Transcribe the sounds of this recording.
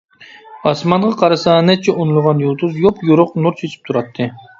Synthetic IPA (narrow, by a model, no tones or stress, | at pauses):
ɑsmɑnʁɑqʰɑɾɨsɑnɛt̪̚t͡ʃʰɛʔunulˠʁɑnjulˠt̪ʰuzjopjuɾʊqnuɾt͡ʃʰet͡ʃ̪ʰi̥p̚t̪ʰuɾɑt̪ʰːɨ